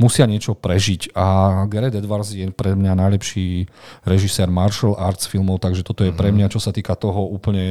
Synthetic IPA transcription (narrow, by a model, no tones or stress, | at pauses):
musɪaɲɪɛt͡ʃɔpɾɛʒicaɡɛɾɛd̪ɛd̪ʋaɾzjɛpɾɛmɲanajlɛpʃiːɾɛʒisɛːɾmaɾʃɛlʔaːɾt̪sfilmɔʊt̪aɡʒɛt̪ɔt̪ɔjɛpɾɛmɲat͡ʃɔsat̪iːkat̪ɔɦɔuːpl̩ɲɛ